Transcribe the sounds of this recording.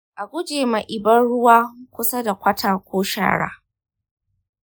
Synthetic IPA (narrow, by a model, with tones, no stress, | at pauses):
ʔa˨ɡʷʊ˦d͡ʒeː˨ma˨ʔɪ˨bɐ˦nɽʊ˦waː˦kʷʊ˦sa˦da˨kʷɐ˦tʰaː˨kʷoː˦ʃa̰ː˦˨ɽa̰ː˦